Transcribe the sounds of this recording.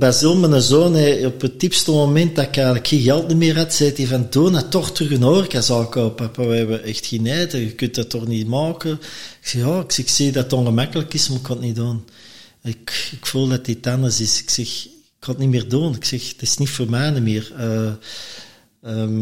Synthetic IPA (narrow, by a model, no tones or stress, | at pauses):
bazilˠmənəzoːnɛɔpətːipstəmomɛnt̚dakɛːɣləkxiːɣɛlˠtnimɪːrɦatsɛːtivanduːnatɔxtrʏɣənoːrkazɔːkoːpapawəɛbəʔɛxtxinɛːdəɣəkyntdatːɔxnimɑːkəɪksɛxjɑːɪksɛxsiːdatonɣəmakəlˠəkɪsmaɪkʰɔtnidoːn | ɪkɪkfuːlˠdatɪtandərsɪsɪ̥ksɛx | ɪkhɔtnimɪːrduːnɪksɛxtɪ̥snifoːrmɛːnimɪːrə | əːm